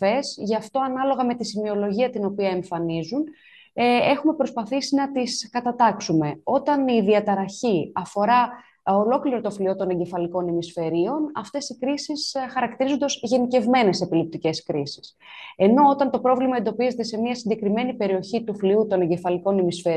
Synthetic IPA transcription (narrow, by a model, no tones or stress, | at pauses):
e̞sʝɐft̪o̞ɐnɐlo̞ɣɐme̞t̪isimio̞lo̞ʝiɐt̪ino̞piɐeɱfɐnizun | e̞xume̞pɾo̞spɐθisinɐt̪iskɐt̪ɐt̪ɐksume̞o̞t̪ɐniðiɐt̪ɐɾɐçiɐfo̞ɾɐ | olo̞kliɾo̞t̪o̞flio̞t̪o̞ne̞ɲɟe̞fɐliko̞nemisfe̞ɾio̞nɐft̪e̞sikɾisisxɐɾɐkt̪iɾizond̪ozʝe̞nice̞vme̞ne̞se̞pilip̚t̪ice̞skɾisi̥s | e̞no̞ot̪ɐnt̪o̞pɾo̞vlimɐe̞nd̪o̞pize̞t̪e̞se̞miɐsiɲɟe̞kɾime̞nipe̞ɾio̞çit̪ufliut̪o̞ne̞ɲɟe̞fɐliko̞nemisfe